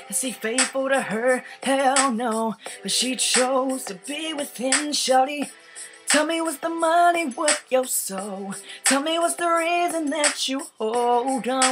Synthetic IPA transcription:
ɨsifeɪtfl̩ˠɾɨə˞tʰɛlˠnoʊb̥ʌtʃit͡ʃʰoʊz̥tʰɨbiwɨðɪ̃nʃʌɾi | tʰɛlˠmiwʌzðəmʌniwʌθjəsoʊtʰɛlˠmiwʌzðəɹizɨ̃nðɨt͡ʃɨɔlˠdʌ̃

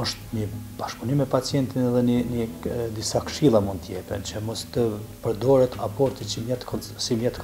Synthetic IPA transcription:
ɔʃt̪ɲəbaʃpunimɛpat͡sjɛnt̪inɛðɛəɲəd̪isakə̥ʃilˠamund̪t̪əjɛpɛ̰nt͡ʃəmɔst̪əpəɾd̪ɔɾɛt̪ʰapɔɾt̪it͡ʃəmjɛt̪ | simjɛt̪

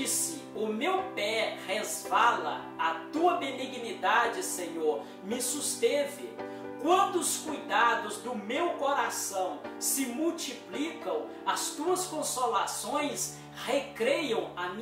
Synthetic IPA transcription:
isɪ | ʊmewpɛhezvalɐ̰ | ɐt̪uɐbeniɡnid̪ad͡ʒɪsẽɲoɾ | mɪsust̪evɪ̰ | kwɐ̃nd̪ʊʊskujd̪ad̪ʊzd̪ʊmewkoɾasɐ̃w̃sɪmuwt͡ʃiplikɐ̃w̃ | ɐst̪uɐskõsolasõj̃s | hekɾejɐ̃w̃ɐm̃

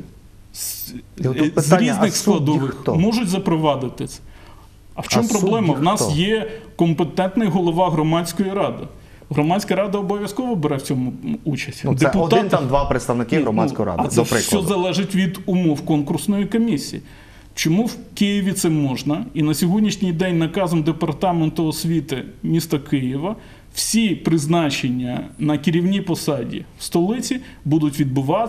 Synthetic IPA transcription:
zɾʲiznɪxsklˠɐd̪ɔʋɪxmɔʒʊtʲzɐpɾɔʋɑd̪ɪt̪ɪsɛ̥ | ɐwt͡ʃɔmpɾɔblˠɛmɐwnɑsjɛkɔmpet̪ɛnt̪nɪjɦɔlˠɔʋɑɦɾɔmɑt͡sʲkɔjiɾɑd̪ɪ | ɦɾɔmɑdʲt͡sʲkɐɾɑd̪ɐɔbɔʋʲjɐskɔʋɔbeɾɛwt͡sʲɔmʊut͡ʃɐsʲtʲid̪eɛpʊd̪ɪnt̪ɑmd̪ʋɑpɾeɪt̪st̪ɐʋnɪkɪɦɾɔmaskɔjɾɑ̰dɐ̰ɾɪsʲɔzɐlˠɛʒɪtʲʋʲid̪ʊmɔwkɔnkʊrsnɔjikɔmʲisʲḭji | t͡ʃɔmuwkɪjɪʋʲit̪sɛmɔʒnɐinɐsʲɔɦɔdʲnʲiʃnʲijd̪ɛnʲnɐkɑzɔmd̪epɐrt̪ɑment̪ʊɔsʲʋʲit̪ɪmʲist̪ɐkɪjiʋɐ | w̥sʲipɾɪznɑt͡ʃenʲːɐnɐkɪɾʲiwnʲipɔsɑdʲḭwst̪ɔlˠɪt͡sʲi | bud̪ʊtʲʋʲid̪̚bʊʋɑ

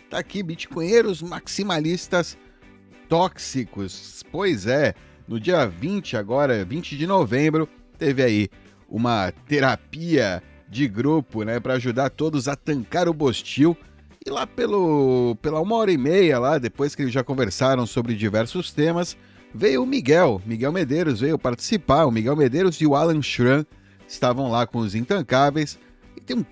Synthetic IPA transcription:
t̪akibit͡ʃi̥kõj̃ɲeɾʊzmaksimalist̪ɐs | t̪ɔksikʊspojzɛ | nʊd͡ʒiɐvĩt͡ʃɪaɡɔɾɐvĩt͡ʃɪd͡ʒɪnovẽmbɾʊ | t̪evɪai | ṵ̃mɐt̪eɾapiɐ | d͡ʒɪɡɾupʊnɛpɾɐaʒud̪aɾt̪od̪ʊzɐt̪ɐ̃ŋkaɾʊbost͡ʃiw | ɪlapelʊpelɐũmɐɔɾɐɪmejɐlad̪epojskɪelɪzʒakõveɾsaɾɐ̃w̃sobɾɪd͡ʒivɛɾsʊst̪ẽmɐs | vejʊːmiɡɛwmiɡɛwmed̪eɾʊzvejʊpaɾt͡ʃi̥sipaɾʊmiɡɛwmed̪eɾʊzɪʊalẽʃɾɐ̃ | ɪst̪avɐ̃w̃lakõʊzĩt̪ɐ̃kavejs | ɪt̪ẽj̃ũ

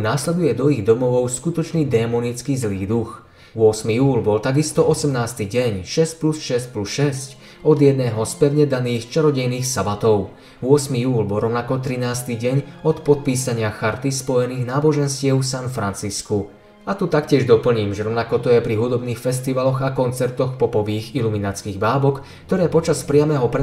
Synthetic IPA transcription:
naːslɛd̪ujɛd̪ɔiɣd̪ɔmɔʋɔʊskut̪ɔt͡ʃniːd̪ɛːmɔnit͡skizliːd̪ux | ʊɔsmijuːlbɔlt̪aɡist̪ɔɔsɛmnaːst̪iɟɛɲʃɛsc̚plusʃɛsc̚plusʃɛsc | ɔd̪jɛd̪̚nɛːɦɔspɛʊɲɛd̪aniːxt͡ʃɛɾɔɟɛjniːxsabat̪ɔʊ | ʊɔsmijuːlbɔlɾɔʊnakɔt̪ɾinaːst̪iɟɛɲɔt̪pɔt̪̚piːsaɲɪaxaɾt̪ispɔjɛniːɣnaːbɔʒɛnscɪɛʊsanfɾant͡sisku | at̪ut̪akcɪɛʒd̪ɔpl̩ɲiːmʒɛɾɔʊnakɔt̪ɔjɛpɾiɦud̪ɔbniːxfɛs̬t̪iʋalɔɣakɔnt͡sɛɾt̪ɔxpɔpɔʋiːɣiluminat͡skiːɣbaːbɔk | kt̪ɔɾɛːpɔt͡ʃaspɾɪamɛːɦɔpɾɛ

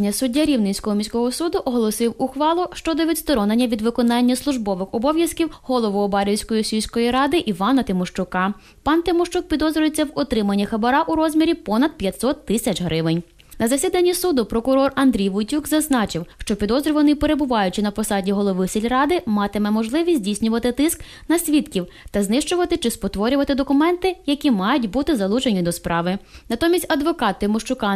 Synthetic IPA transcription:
nʲɐsʊdʲːaɾʲiwnɪnʲsʲkɔɦɔmʲisʲkɔɦɔsud̪ʊʔɔɦɔlˠɔsɪwʊxʋɑlˠʊʃt͡ʃɔd̪ɔʋʲid̪st̪ɔɾɔnenʲːɐʋʲid̪ʋɪkɔnɑnʲːɐslˠʊʒbɔʋɪxɔbɔʋʲjɐskʲiwɦɔlˠɔʋʊːbɑɾʲiwsʲkɔjisʲiwʲsʲkɔjiɾɑd̪ɪʔiʋɑnɐt̪ɪmɔʃt͡ʃʊkɑ | pɑnt̪ɪmɔʃt͡ʃuk̚pʲid̪ɔzɾʲʊjet͡sʲːɐwɔt̪ɾɪmɐnʲːixɐbɐɾɑʔuɾɔzʲmʲiɾʲipɔnɐd̪̥̚pʲjɐt̪ʲsɔt̪ːɪsʲɐt͡ʃɦɾɪʋɪnʲ | nɐzɐsʲid̪ɐnʲːisud̪ʊpɾɔkʊɾɔrɐnd̪ɾʲijʋʊtʲukzɐznɑt͡ʃɪwʃt͡ʃɔpʲid̪ɔzɾʲʊʋɐnɪipeɾe̞bʊʋɑjʊt͡ʃɪnɐpɔsɑdʲiɦɔlˠɔʋɪsʲilʲrɑd̪ɪmɑt̪ɪmɛmɔʒlˠɪʋʲisʲdʲijsʲnʲʊʋɐt̪ɪt̪ɪsk | nɐsʲʋʲit̪kʲiw | t̪ɐznɪʃt͡ʃʊʋɐt̪ɪt͡ʃɪspɔt̪ʋɔɾʲʊʋɐt̪ɪd̪ɔkʊmɛnt̪ɪjɐkʲimɑjʊtʲbut̪ɪzɐlˠut͡ʃenʲid̪ɔspɾʔɑʋɪnɐt̪ɔmʲisʲtʲɐd̪ʋɔkɑt̪ːɪmɔʃt͡ʃʊkɑ

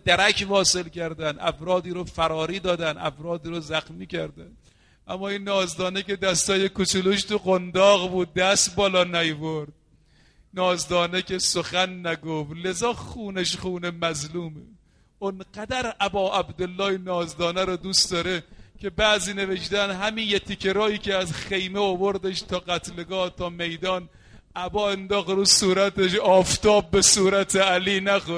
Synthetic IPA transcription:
d̪æɾækʰvɒːselkʲæɾd̪ænʔæ̰fɾɒːd̪iːɾofæɾɒːɾiːd̪ɒːd̪ænʔæ̰fɾɒːd̪iːɾozæxnmiːkʲæɾd̪æn | ʔæmːɒːinːɒːzd̪ɒːnekʲe̞d̪æst̪ɒːjekot͡ʃuluʃt̪ʰuɣond̪ɒːɣbuːd̪̚ːæst̪bɒːlɒːnæjvoɾd̪̥̚ | nɒːzd̪ɒːnekesoxænːæɡoflezɒːxuːneʃχuːnemæzluːme | onqæd̪æɾʔæbɒːʔæbd̪olːɒːjenɒːzd̪ɒːnæɾod̪usd̪ɒɾekʲʰe̞bæːziːneveʃd̪ænɦæminjet̪ʰikʰeɾɒːiːkʰeæzxejmeovoɾd̪eʃt̪ʰɒːɣæt̪ʰleɡɒːt̪ʰɒːme̞jd̪ɒːn | ʔæbɒːend̪ɒːxɾuːsuːɾæt̪eʃɒːft̪ɒːb̚ːesuːɾæt̪ʰeæliːnæxo

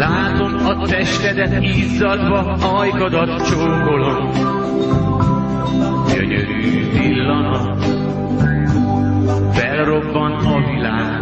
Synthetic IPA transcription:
laːt̪o̞mɒt̪ɛʃt̪ɛd̪ɛt̪iːzːɒd̪vɒ | ɒjɡɒd̪ɒt̪t͡ʃoːŋɡo̞lon | ɟø̰ɲø̰ɾyːt̪ilːɒnɒ | fɛlro̞bːɒnɒvilaːɡ

